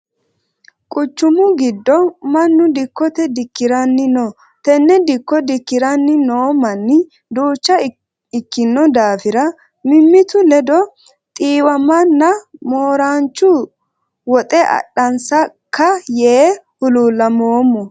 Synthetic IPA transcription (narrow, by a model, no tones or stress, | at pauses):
kʼʊt͡ʃːʊmʊɡɪd̪ːɔmɐnːʊd̪ɪkːɔt̪ɛd̪ɪkːɪɾɐnːɪnoː | t̪ɛnːɛd̪ɪkːɔd̪ɪkːɪɾɐnːɪnoːmɐnːɪ | d̪uːt͡ʃːɐ | ɪkːɪnːɔd̪aːfɪɾɐ | mɪmːɪt̪ʊlɛd̪ɔ | t̪ʼiːwɐmɐnːɐmoːɾaːnt͡ʃːʊ | wɔt̪ʼɛɐ̰ɗɐnsɐ | kʰːɐjeːhʊluːlːɐmoːmːɔ